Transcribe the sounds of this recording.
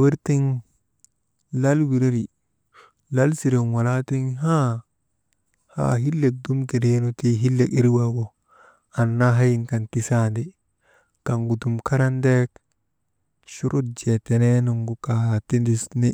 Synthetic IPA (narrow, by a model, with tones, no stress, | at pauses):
awi˦ɾti˦ŋ | la˦lwi˨ɾe˦ɾi˨ | la˦lsi˨ɾe˨nwa˨la˦ti˦ŋɦa˦ | ha̰ɦi˦lːe˨k̚du˦mti˨ɾenu˨ti˦ɦi˦lːe˨ki˦ɾwaɡo˨ | a˨nːa˦ɦa˦ji˨nka˨nti˨sa˦ndi˨ | ka˨ŋɡu˨du˨mka˦ɾa˦nde˦k | ʃu˦ɾu˦t̚d͡ʒete˨ne˦nu˨ŋɡu˨ka˨ha˨ti˦ndisni˦